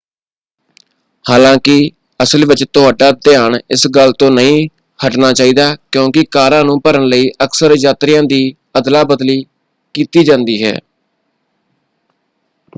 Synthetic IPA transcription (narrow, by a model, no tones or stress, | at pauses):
haːlãːkɪ | əsəlʋɪt͡ʃt̪ʊɦaːɖaːd̪ɪjaːɳɪsɡəlt̪õːnəĩː | həʈnaːt͡ʃaːiːd̪aːkjõːkɪkaːɾãːnũːpəɾəɳləiːʔəksəɾɪjaːt̪ɾɪjãːd̪iː | əd̪laːbəd̪liː | kiːt̪iːd͡ʒãːnd̪iːɦɛ̰ː